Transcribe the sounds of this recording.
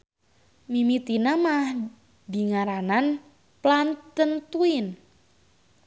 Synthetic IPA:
mimit̪inamah | diŋaɾanan | plant̪ənt̪uin

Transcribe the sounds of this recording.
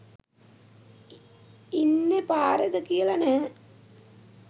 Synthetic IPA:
inːepaːɾed̪əkijəlɐnəɦə

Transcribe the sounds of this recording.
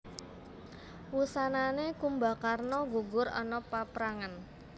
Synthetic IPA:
wusananekumba̤karnɔɡuɡʊɾɔ̰nɔpapɾaŋan

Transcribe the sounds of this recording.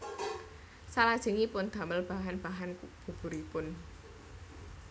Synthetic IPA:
salad̥ʒ̥ə̤ŋipʊnd̪̥a̤məlb̥a̤ɦanb̥a̤ɦanɡ̥ṳb̥ṳɾipʊn

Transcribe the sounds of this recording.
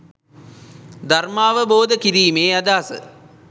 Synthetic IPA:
d̪ʱarmaːʋəboːd̪əkiɾiːmeːad̪aːsə̰

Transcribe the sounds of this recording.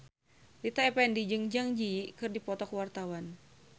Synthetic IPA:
lit̪aɛpɛndid͡ʒɨŋd͡ʒaŋd͡ʒiikɨrdipɔt̪ɔkəwart̪awan

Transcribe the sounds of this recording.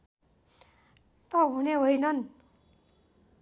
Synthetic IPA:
t̪ʌɦuneɦojnʌn

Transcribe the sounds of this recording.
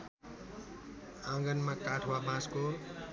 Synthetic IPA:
ãɡʌnmãkaʈʰwabãsko

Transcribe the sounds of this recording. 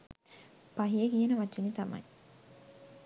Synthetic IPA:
paɦijəkijənəʋat͡ʃːinit̪ɐmɐ̰j

